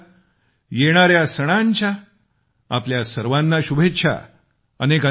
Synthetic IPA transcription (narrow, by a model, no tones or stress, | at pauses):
jeɽ̃aɾjasəɽ̃aɲt͡ɕa | a̰pljasəɾʋanːaɕubʱet͡ɕʰa̰ | ənekə